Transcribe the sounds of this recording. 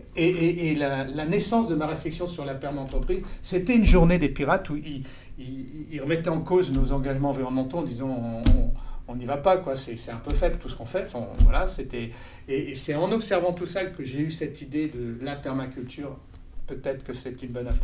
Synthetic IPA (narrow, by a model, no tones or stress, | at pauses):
eeʔːlalanɛsɑ̃sd̪əmaʁeflɛksjɔ̃syʁlapɛʁmɑ̃t̪χəpχizset̪ɛynʒuʁned̪epiʁat̪ui | iːlʁəmɛt̪ɛɑ̃koznozɑ̃ɡaʒmɑ̃viʁɔnd̪mɑ̃t̪õd̪izɔ̃ɔ̃ː | nivapakwasɛsɛt̪ɛ̃pøfɛblt̪usə̥kɔ̃fɛɑ̃fɛ̃vwalaset̪ɛ | eːsɛɑ̃nɔpsɛʁvɑ̃t̪usakəʒeysɛt̪id̪ed̪əlapɛʁmakʲylt̪ʰyːʁ | pøt̪ɛt̪χə̥kəsɛt̪ynbɔnaf